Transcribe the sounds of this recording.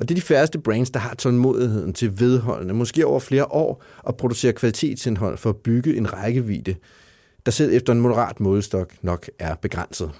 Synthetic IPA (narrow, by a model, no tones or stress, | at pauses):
ʔɒ̽d̥e̝ɐd̥ifæɐsd̥əb̥ʁɛnd̥sd̥ɑ̈hɑ̈t͡sʰɒ̽lmo̝̰ːðˠihe̝ð̞̰ˠn̩t͡sʰe̝lʋe̝ð̞ˠɦɒ̽l̰nəmɔ̽sɡ̥e̝̰ːɒ̰ʊ̰ɐfle̝ːɐʔɒ̰ː | ʔɒ̽pʰʁo̝d̥use̝̰ːɐkʰʋælit͡sʰe̝̰ːd̥senɦɒ̽l̰fɒ̽ːb̥yɡ̥əe̝nʁɑɡ̥əʋḭːd̥ə | d̥ɑ̈sel̰ˠefd̥ɐe̝nmo̝ɾəʁɑ̰̈ːd̥moːðˠsd̥ɒ̽ɡ̥nɒ̽ɡ̥æɐb̥e̝ɡ̥ʁɑn̰səð̩ˠ